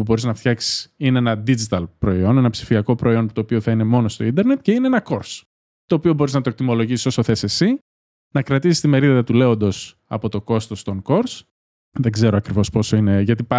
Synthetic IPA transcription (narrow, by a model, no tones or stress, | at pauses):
pubo̞ɾiznɐft̪çɐksi̥sineenɐd̪id͡ʒit̪ɐlpɾo̞io̞nenɐpsi̥fiɐko̞pɾʔo̞io̞nput̪o̞ːpio̞θɐine̞mo̞no̞st̪o̞ind̪e̞ɾne̞t̪ce̞ine̞enɐko̞ɾs | t̪o̞ːpio̞bo̞ɾiznɐt̪ok̚t̪imo̞lo̞ʝisiso̞so̞θe̞se̞si | nɐkɾɐt̪isist̪ime̞ɾiðɐðɐt̪ule̞o̞nd̪o̞s | ɐ̰po̞t̪o̞ko̞st̪o̞st̪o̞ŋko̞ɾs | ðe̞ɡze̞ɾoɐkɾivo̞spo̞so̞ine̞ʝɐt̪ipɐ